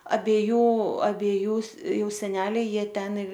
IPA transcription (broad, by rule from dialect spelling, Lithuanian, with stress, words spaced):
ɐbʲɛˈjuː ɐbʲɛˈjuː ˈjɛʊ sʲɛˈnʲæːlʲɛɪ ˈjiɛ ˈtʲɛn